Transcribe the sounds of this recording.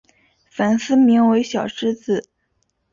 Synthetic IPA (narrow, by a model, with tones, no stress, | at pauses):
fa˨˩nsɹ̩˥˩mi˧˥ŋwe˧˥ɪɕjɑ˨˩ʊʂɻ̩˥t͡sɹ̩˨˩